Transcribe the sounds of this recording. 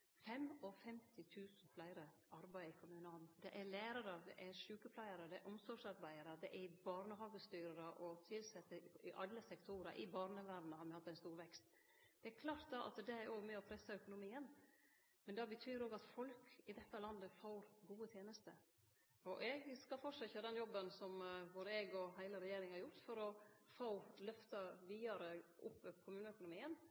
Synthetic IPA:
fɛmɔfɛmt̪ʰɪt̪ʰʉːsn̩flæɪɾə | ɑɾbæɪɪkʰʊmʉːnɑld̪ɛʔæɾlæːɾɑɾəd̪ɛ̰ʔæʂʉːkəflæɪəɾəd̪ɛæɾʔʊmsɔɡʂɑɾbæɪəɾəd̪ɛʔɛɾbɑːɾnəɦɑːɡəst̪yːɾəɾəʔɔt̪ʰɪlsɛt̪ːəɪʔɑlːəsɛkt̪ʰuɾəʔɪbɑːɾnəʋæːɖ̪nəhɑɾmɪhɑt̪ːɛɪnst̪uːɾʋɛkst̪ | d̪̥ɛæɾkʰlɑːɾt̪̚d̪ɑʔɑ̰t̪d̪ɛæɾoːɡmɛɔpʰɾɛsːəœkʊnʊmiːən | mɛnd̪ɛbət̪ʰyːɾoːɡɑt̪fɔlkʰɪd̪ɛt̪ːəlɑnd̪əfoːɾɡuːət̪ʰjeːnəst̪ə̰ | ɔʔɛɡskɑfɔʂɑçəd̪ɛnjɔbːənsɔmʋoɾɛɡɔɦæɪləɾɛjeːɾɪŋhɑɾjʊɾt̪fɔɾɔfoːlœft̪ɑʋiːɑɾəʔʊpːkʰʊmʉːnəœkʊnʊmiːən

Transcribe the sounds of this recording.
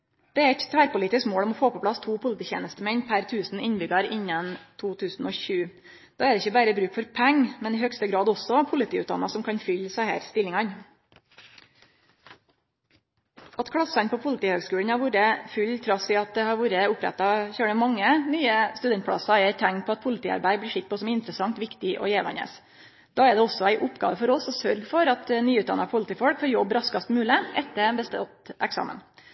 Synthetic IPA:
d̪̥ɛæɾɛt̪t̪ʰæːɾpʊliːt̪ɪskmoːɽɔmɔfoːpɔpʰlɑst̪ʰuːpʰʊlət̪iːçḛːnəst̪əmɛnpʰæɾt̪ʰʉːsn̩ɪnbʏɡɑɾɪnːɑnt̪ʰuːt̪ʰʉːsn̩ɔːçʉː | d̪̥ɑːɛɾd̪ɛɪçːəbæːɾəbɾʉːkfɔɾpʰæŋːmɛnɪhœɡst̪əɡɾɑːd̪ɔsɔpʰʊlɪt̪ʰiːʉ̰ːt̪̚d̪ɑ̰nɑsɔmkʰɑnfʏlːsæɪhæ̰ːɾst̪ɪlɪŋɑn | ʔɑt̪kʰɽɑsɑnpʰɔpʰʊlət̪iːhøːɡskʉːlən̩hɑɾʋuːɾəfʉlt̪ʰɾɑsɪɑt̪̚d̪ɛhɑɾʋuːɾəʊpɾɛ̰t̪ːɑçøːɖəmɑŋːənyːəst̪ʉd̪ɛnt̪pʰɽɑsɑɛɾt̪ʰæŋt̪̚pʰɔɑt̪̚pʰʊlət̪ʰiːɑ̰ɾbæɪbliːʂɪk̪t̪̚pʰɔsɔmɪnt̪ɾəsɑŋt̪ʋɪkt̪ɪʔɔ̰jeːʋɑ̰nə̰s | d̪̥ɑːɛɖ̪ɛɔsːɔæɪʔʊpɡɑ̰ːʋəfɔɾɔsɔsœɾɡfɔɾɑt̪nyːʉːt̪d̪ɑ̰nːɑpʰʊlət̪iːfɔɽkfɔɾjɔbːɾɑskɑst̪mʉːləʔɛt̪ːəbəst̪t̪ʔɛksɑ̰ːmə̰n

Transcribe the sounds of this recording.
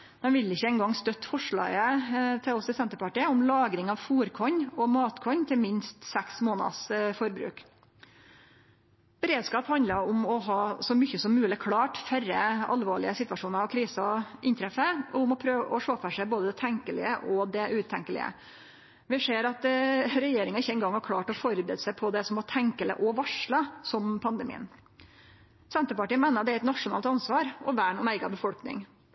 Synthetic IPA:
d̪̥ɛnʋɪlɪçːəɛŋɡɑŋst̪œt̪ːfɔʂɭɑ̰ːɡət̪ʰɪlɔsd̪ɛsɛnt̪əɾpɑʈiːəʊmlɑːɡɾɪŋɑʋfuːɾkʰɔɲɔmɑːt̪kʰɔɲːt̪ʰɪlmɪnst̪sɛksmoːnɑ̰sfɔɾbɾʉ̰ːk | b̥əɾeːd̪skɑːphɑnd̪ləɾʊmɔɦɑːsɔmʏçːəsɔmːʉːlɪkʰɽɑːʈfæɾəɑ̰lʋoːɭɪəsɪt̪ʋɑʂuːnəɾɑkʰɾiːsɔʔɪnt̪ʰɾɛfːəɔʊmɔpʰɾøːʋəʔɔʂoːfəʂæɪboːd̪əd̪ɛt̪ʰɛŋkəlɪ̰əʔɔd̪ɛʔʉːt̪ʰɛ̰ŋkəlɪ̰ə̰ | ʋɪseːɾɑt̪ɾɛjeːɾɪŋɑɪçːəɛŋɡɑŋːɑɾkʰlɑːʈɔfɔɾbɾɛ̰d̪sæɪpʰɔd̪ɛsɔmhɑʈʰɛŋkələ̰ʔɔʋɑʂɭɑsɔmpʰɑnd̪əmḭːə̰n | sɛnt̪əpɑʈiːəmæːnəɑd̪ɛæɪt̪nɑʂʊnɑːlt̪ɑnsʋɑːɾʔɔʋæːɳʊnæɪɡɑbəfɔlknɪ̰ŋ

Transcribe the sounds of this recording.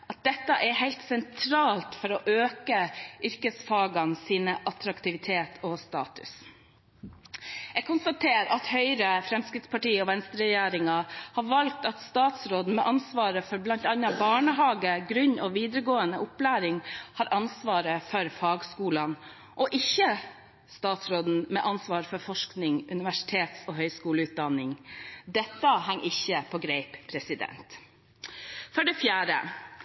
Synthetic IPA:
ʔɑt̪̚d̪ɛt̪ːəʔɛɾhæɪlt̪sɛnt̪ʰɾɑːlt̪fɔɾɔʔøːkəʔʏɾkəsfɑːɡɑnsiːnəʔɑt̪ɾɑkt̪ɪʋɪt̪ʰeːt̪ʰɔst̪ɑ̰ːt̪ʉ̥̰s | ɛɡ̚kʰʊnst̪ɑt̪ʰeːɾɑt̪hœʏɾəfɾɛmskɾɪt̪spɑʈiːɔʋɛnst̪əɾɛjeːɾɪŋɑhɑɾʋɑlk̚t̪ɑt̪st̪ɑːt̪sɾoːd̪n̩mɛʔɑnsʋɑːɾəfɔɾblɑnt̪ɑnːɑbɑːɳəɦɑːɡəɡɾʉɲɔʋiːd̪əɾəɡoːənəʊplæːɾɪŋhɑːɾʔɑnsʋɑːɾəfɔɾfɑːɡskuːlɑn | ʔɔʔɪçə | st̪ɑːt̪sɾoːd̪n̩mɛʔɑnsʋɑːɾfɔɾfɔʂknɪŋʉnɪʋæʂɪ̥t̪ʰeːt̪sɔːɦœʏskuːləʉːt̪̚d̪ɑnːɪŋd̪ɛt̪ːəɦæŋːʔɪçːəpʰɔːɡɾeɪppʰɾɛsɪd̪ɛ̰nt̪ | fɔɖɛfjæːɾə̰

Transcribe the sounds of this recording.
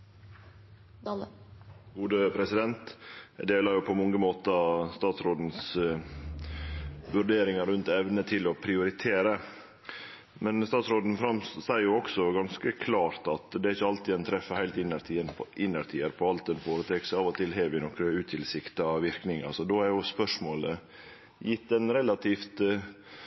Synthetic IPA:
ɡuːd̪əpʰɾɛsɪd̪ɛnt̪d̪eːlɑɾjʊpʰɔmɔŋɡəmoːt̪əst̪ɑːt̪sɾoːd̪n̩s | ʋʉɾɖeːɾɪŋɑɾʉnt̪ɛʋnət̪ʰɪlɔpʰɾɪʊɾɪt̪ʰeːɾə | mɛnst̪ɑːt̪sɾoːd̪n̩fɾɑmssæɪjʊɔksɔɡɑnskəkʰlɑːɾt̪ɑt̪d̪ɛæɾɪçːəɑlt̪iːd̪ɛnt̪ʰɾɛfːəhæɪlt̪ɪnːəɾt̪ʰiːənʰʔɪnːəɾt̪ʰiːəɾpʰɔɑlt̪ɛnfoːɾət̪ʰɛksɑːʋɔt̪ʰɪlɦeːʋɪnɔkɾəʉːt̪ʰɪlsɪkt̪ɑʋɪɾknɪŋɑ̰sɔd̪oːæɾjʊspœʂmoːlə | jɪt̪ːɛnɾɛlɑt̪ʰiːft̪

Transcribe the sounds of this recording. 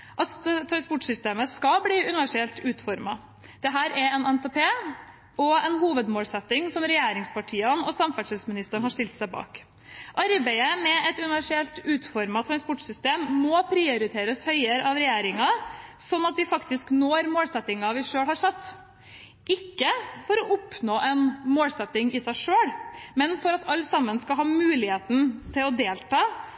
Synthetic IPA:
ʔɑt̪t̪ʰːɾɑnspɔʈsʏst̪eːməskɑbliːʉnɪʋæʂɪɛlt̪ʉːt̪fɔɾmɑ | d̪̥ɛɦæːɾʔɛɾɛnɛnt̪ɛpʰeː | ɔɛnɦuːʋəd̪moːlsɛt̪ːɪŋsɔmɾɛjeːɾɪŋspɑʈʰiːɑnɔsɑmfæʂɛlsmɪnɪst̪əɳhɑɾʂt̪ɪlt̪sæɪbɑ̰ːk | ʔɑɾbæɪəmɛɛt̪ʉnɪʋæʂɪɛlt̪ʉːt̪fɔɾmɑt̪ʰɾɑnspɔʈsʏst̪eːmːɔpʰɾɛʊɾɪt̪ʰeːɾəshœʏəɾɑʋɾɛjeːɾɪŋɑsɔnːɑt̪̚d̪ɪfɑkt̪ɪsknoːɾmoːlsɛt̪ːɪŋɑʋɪʂøːɽhɑʂɛt̪ː | ʔɪkːəfɔɾɔʔʊpnoːʔɛnmoːlsɛt̪ːɪŋɪsæɪʂøːɽmɛnfɔɾɑt̪ʰɑlːsɑmːənskɑlɦɑːmʉːlɪheːt̪n̩t̪ʰɪlɔd̪eːlt̪ʰɑː

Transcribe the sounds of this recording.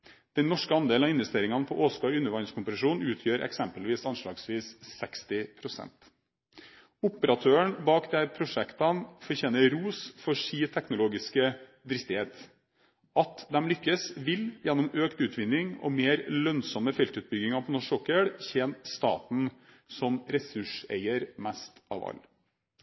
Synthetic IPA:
d̪̥ɛnːɔʂkəɑnd̪eːl̩ɑɪnʋɛst̪eːɾɪŋɑnpʰɔʔoːskɑʏnːəɾʋɑɪnskʊmpsɑʂuːnʉːt̪ʰjøːɾʔɛ̰ksɛmpəlʋiːsɑnʂlɑ̰ːɡsʋiːssɛkst̪ɪpʰɾʊsɛ̰nt̪ | ʊpəɾɑt̪ʰøːəɳbɑːkd̪ɛæpʰɾʊʂɛkt̪ɑnfɔɾçeːnəɾuːsfɔʂiːt̪ʰɛknʊloːɡɪskə | d̪ɾɪst̪ɪheːt̪ | ʔɑt̪d̪ɛmlʏkːəsʋɪljɛnːʊmøːkt̪ʉːt̪ʋɪnːɪŋɔ̰meːɾlœnsɔmːəfɛlt̪ʉːt̪̚bʏɡɪŋɑpʰɔnɔʂɔkəɽçɛːnst̪ɑ̰ːt̪n̩ | sɔmɾɛsʉʂḛɪəɾmæst̪ɑ̰ːʋɑ̰l

